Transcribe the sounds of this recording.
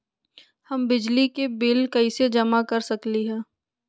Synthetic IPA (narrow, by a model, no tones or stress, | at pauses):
hɐmbɪd͡ʒlikebɪlkɐised͡ʒɐmakɐɾsɐkliɦɛ̃ː